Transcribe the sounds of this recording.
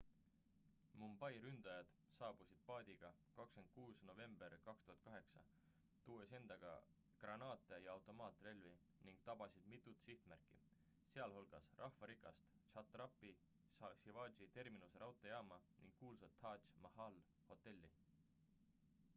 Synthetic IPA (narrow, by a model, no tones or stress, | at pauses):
mumb̥ɑjɾynd̪̥ɑjɑd̪̥ | sɑːb̥usid̪̥̚pɑːd̪̥ʲiɡ̥ɑkɑkske̞nd̪̥̚kuːsno̞ve̞mb̥e̞rkɑkst̪uhɑt̪̚kɑɦe̞ksɑ̰ | t̪uːese̞nd̪̥ɑɡ̥ɑ̰ | krɑnɑːt̪ːˑejɑɑwt̪ˑo̞mɑːt̪ˑre̞lvi | niŋɡ̥̚t̪ɑb̥ɑsid̪̥mit̪ˑːut̪siht̪mærkːˑḭ | se̞ɑlɦolɡ̥ɑsrʔɑhfɑɾikːˑɑst̪t͡ʃɑt̪rɑpːˑi | sɑsivɑːd̪ʒit̪e̞rminuseɾʔɑwt̪ːˑejɑːmɑnḭŋɡ̥kuːlsɑt̪ʰːɑːt͡ʃmɑhɑl | ho̞t̪ːˑe̞lʲːḭ